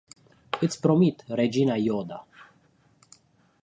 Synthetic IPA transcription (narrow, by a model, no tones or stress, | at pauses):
ɨt̪sʲpɾo̞mit̪re̞d͡ʒinajod̪a